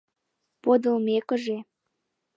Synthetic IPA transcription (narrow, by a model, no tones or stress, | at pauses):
pod̪ə̆lmekə̆ʒe